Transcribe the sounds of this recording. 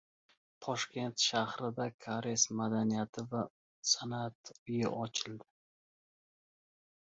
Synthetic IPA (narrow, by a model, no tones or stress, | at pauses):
t̪ʰɒʃkʲʰe̞nt̪ʃahɾɪd̪akʰaɾesmad̪anijat̪ʰɪva | sanat̪ʊjɪʔɒt͡ʃʰɪld̪ɪ